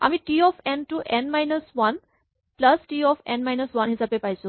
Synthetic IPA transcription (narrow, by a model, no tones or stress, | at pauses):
a̰mĩʈiɔfɛ̃nʈuːʔɛnmajnəsʋɐn | pləsʈiːɔfɛ̰̃nmajnəsʋɐnɦid͡zapepajso